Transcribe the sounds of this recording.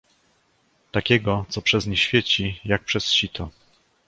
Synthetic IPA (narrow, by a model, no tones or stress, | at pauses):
t̪akʲɛɡɔt̪sɔpʂɛzɲɛɕfʲjet͡ɕijak̚pʂɛsɕit̪ʰɔ